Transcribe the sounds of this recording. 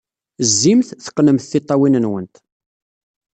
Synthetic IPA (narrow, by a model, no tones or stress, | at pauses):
zːimθθə̥qːnəmθθɪt̪ˤːɑwinənwənt̪